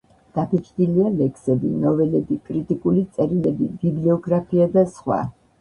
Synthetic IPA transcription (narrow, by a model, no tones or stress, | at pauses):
d̪̥apʰit͡ʃʰʼd̪ilialɛkʰsɛbinɔvɛlɛbikʼɾit̪ʼikʼulit̪sʼɛɾilɛbibibliɔɡɾapʰiad̪asχwa̰